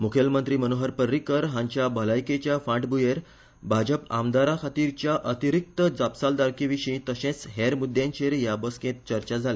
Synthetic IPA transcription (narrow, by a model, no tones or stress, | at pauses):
mukʰelmənt̪ɾiːmənoɦəɾpəɾːikəɾɦãɲt͡ɕjabʱəlajket͡ɕjafãʈbujeɾ | bʱad͡ʑəpamd̪aɾakʰat̪iɾt͡ɕjaʔət̪iɾik̚t̪əd͡zapsald̪aɾkiʋiɕĩt̪əɕẽt͡sɦeɾmud̪jãɲt͡ɕeɾjabəskẽt̪̚t͡ɕəɾt͡ɕad͡zʱale